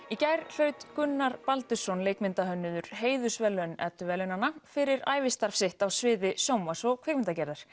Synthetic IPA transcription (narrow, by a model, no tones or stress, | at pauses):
icajɾl̥œɥt̪kʏnːaɾpalt̪ʏsɔnleːjkmɪnt̪aɦœnːʏðʏɾ̥heːjðʏsvɛlœnɛ̰t̪ːʏvɛlʏnanːafɪɾɪɾa̰ːjvɪst̪aɾ̥fsɪht̪awsvɪːðɪsjoːwmasɔɣkʰvɛjk̚mɪnt̪acɛɾðaɾ̥